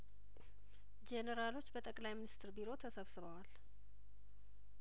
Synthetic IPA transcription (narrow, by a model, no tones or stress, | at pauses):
d͡ʒenəɾalo̞t͡ʃːbət̪ʼəkʼlajminist̪ʰɨɾbiɾo̞t̪ʰəsəβsɨβəwal